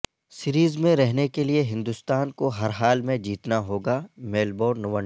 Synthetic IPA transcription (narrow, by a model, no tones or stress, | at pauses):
sɪɾiːzmẽɾɛɦnekelieɦɪ̃nd̪ʊst̪aːnkoɦɐɾɦaːlmẽd͡ʒiːt̪naɦoːɡaːmeːlboːɖnɐʋə̃ɳ